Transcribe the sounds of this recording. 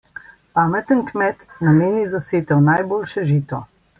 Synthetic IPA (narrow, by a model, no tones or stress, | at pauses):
paːmɛt̪ənkmɛt̪nameːnizaseːt̪ɔwnajboːlʃɛʒiːt̪ɔ